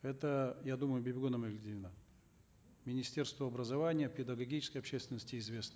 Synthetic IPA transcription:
ɛt̪əjad̪uməjʊbʲɪbʲɪɡonɐməɡlʲɪd̪ʲɪlʲna | mʲɪnʲɪsʲtʲe̞rst̪vəɐbɾəzɐvanʲɪjəpʲɪd̪əɡɐɡʲit͡ɕɪ̥skəjɐpɕːest̪vʲɪnəsʲtʲɪɪzvʲe̞snə

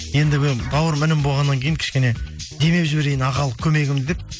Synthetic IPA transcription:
je̞nd̪ɪɡʲɪbɑwəɾmɪnɪmbo̞lˠʁɑnːɑŋkʲʰejɪŋkʲʰɪ̥ʃkʲene̞d̪e̞me̞ʒɪbe̞ɾe̞jɪnɑʁɑlˠəqkʲʰɵme̞ɡʲɪmd̪ep̚

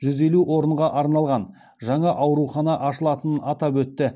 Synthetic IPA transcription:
ʒʏze̞luʔwo̞ɾəɴʁɑʔɑɾnɑlˠʁɑn | ʒɑɴɑʔɑwɾuχɑnɑʔɑʃəlˠɑt̪ənɑt̪ɑbwɵt̪ːɪ

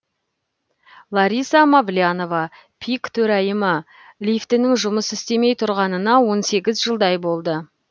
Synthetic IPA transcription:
lˠɑɾijsɑmablʲijano̞vɑ | pʰijkt̪ʰɵɾɑjəmə | lʲijft̪ɪnɪŋʒʊməsɪst̪e̞me̞jt̪ʰʊɾʁɑnənɑwo̞nse̞ɡʲɪzʒəlˠd̪ɑjbo̞lˠd̪ə

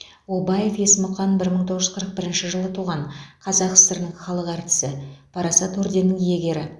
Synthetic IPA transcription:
wobɑje̞fje̞sɪmʊqɑnbɪɾməɴt̪ʰoʁəʒʏzqʰəɾəq̚bɪɾɪnʃɪʒəlˠət̪ʰuʁɑɴqʰɑzɑqə̥səɾənəɴχɑlˠəqæɾt̪ɪ̥sɪpʰɑɾɑsɑt̪ɵɾd̪e̞nɪŋje̞ɡʲe̞ɾɪ

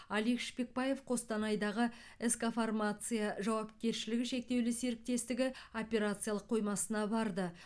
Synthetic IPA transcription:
ɑlikʃpe̞k̚pɑje̞fqʰo̞st̪ɑnɑjd̪ɑʁə | eskofarmat̪sɨjaʒɑwɑp̚kʲe̞ɾʃɪlɪɡʲɪʃe̞k̚t̪e̞wlɪse̞ɾɪk̚t̪e̞st̪ɪɡʲɪo̞pʲe̞ɾat̪sɨjalˠəqʰːo̞jmɑsənɑbɑɾd̪ə

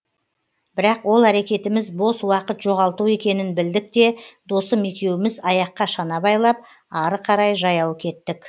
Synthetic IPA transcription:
b̥ɪɾɑqwo̞lˠæɾe̞kʲe̞t̪ɪmɪzbo̞swɑqət̪ʒo̞ʁɑlˠt̪ue̞kʲe̞nɪnbɪld̪ɪk̚t̪e̞d̪o̞səme̞kʲe̞wɪmɪzɑjɑqːɑʃɑnɑbɑjlˠɑp̚ | ɑɾəqʰɑɾɑjʒɑjɑwəkʲʰe̞t̪ːɪk

